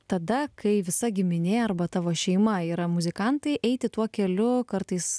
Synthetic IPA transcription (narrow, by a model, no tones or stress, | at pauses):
t̪ɐd̪ɐkʰɐɪʋʲɪsɐɡʲɪmʲɪnʲeːɐɾbɐt̪ɑːʋoːʃʲɛɪmɐiːɾɐmʊzʲɪkɐnt̪ɐɪʔɛɪt̪ʲɪt̪uɔkʲɛlʲʊkɐɾt̪ɐɪs